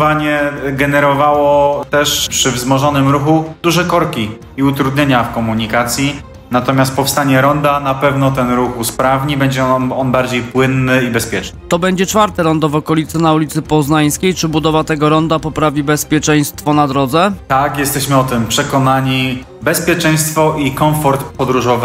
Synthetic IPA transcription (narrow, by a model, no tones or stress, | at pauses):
vaɲɛɡɛnɛɾɔvawɔt̪ɛʂpʂɘvzmɔʐɔnɘmɾuxud̪̥uʐɛkɔɾkʲi | iut̪ɾud̪ɲeɲafkɔmuɲikat̪sʲji | nat̪ɔmʲjast̪̚pɔfst̪aɲɛɾɔnd̪anapɛvnɔt̪ɛnɾuxuspɾavɲibɛɲd͡ʑɛɔnbaɾd͡ʑejpwɘnːɘibɛspʲjɛt͡ʂnɘ̥t̪ɔbɛɲd͡ʑɛt͡ʂfaɾt̪ɛɾɔnd̪ɔvɔkɔlʲit̪sɛnaulʲit̪sɘpɔznaj̃skʲejt͡ʂɘbud̪ɔvat̪ɛɡɔɾɔnd̪apɔpɾavʲibɛspʲjɛt͡ʂɛj̃st̪fɔnad̪ɾɔd̪zɛt̪akjɛst̪ɛɕmɘɔt̪ɘmpʂɛkɔnaɲi | bɛspʲjɛt͡ʂɛ̃j̃st̪fɔʔikɔ̃w̃fɔɾt̪pɔd̪ɾuʐɔv